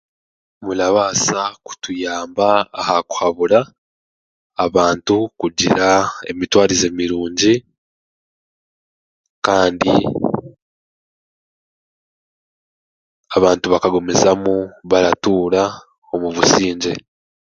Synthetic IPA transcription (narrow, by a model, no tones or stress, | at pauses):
mulaβaːsaku̥tujaːmbaːhaku̥haβuɾa | aβaːntukuɟiɾae̞̰mitwaːɾize̞miɾuːɲɟi | kaːndḭ | aβaːntuβakaɡo̞mezamuβaɾatuːɾa | o̞muβusiːɲɟe̞